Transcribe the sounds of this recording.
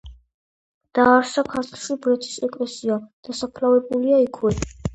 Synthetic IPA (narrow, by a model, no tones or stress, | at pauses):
d̪̥aːɾʃakʰaɾt̪ʰlˠʃibɾɛt̪ʰi̥sɛkʼlɛsiad̪̥asapʰlavɛbuliaikʰwɛ